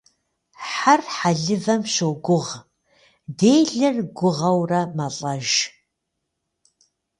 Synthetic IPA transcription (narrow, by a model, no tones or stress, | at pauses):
ħarħaɮɨvɐmɕoɡʷʊʁ | deːjɮɨrɡʷʊʁɐwrɐmɐɬʼɐʒ